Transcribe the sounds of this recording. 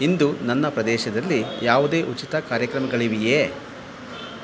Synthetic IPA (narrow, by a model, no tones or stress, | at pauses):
ind̪unɐnːɐpɾɐd̪ɛːʃɐd̪ɐlːijaːʋud̪e̞ːʔut͡ʃit̪ɐkaːɾjɐkɾɐmɐɡɐɭiʋijeː